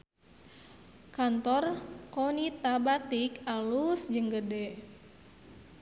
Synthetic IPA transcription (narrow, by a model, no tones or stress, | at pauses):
kant̪ɔrkɔnit̪abat̪ikalusd͡ʒəŋɡədɛ